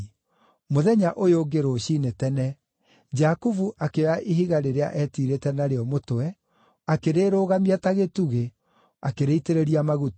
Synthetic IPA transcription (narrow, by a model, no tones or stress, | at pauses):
moðɛɲaʔojoɡeɾoɕiːnetɛnɛ | d͡ʒakuvuʔakeaʔiɦiɣaɾeɾea̰ʔɛːtiɾetɛnaɾeɔmotoɛ | akeɾeːɾoːɣamiɛtaɣetuɣe | akeɾeiteɾeɾiamaɣut